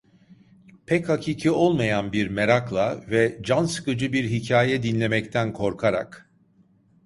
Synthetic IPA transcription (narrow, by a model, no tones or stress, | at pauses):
pʰɛchacʰiːcʰio̞lˠmajanbiɾmeɾaklˠavɛd͡ʒansɯ̥kɯd͡ʒɯbiɾɦicʰaːjɛd̪inlʲe̞mɛct̪ʰænkʰo̞ɾkʰaɾa̰k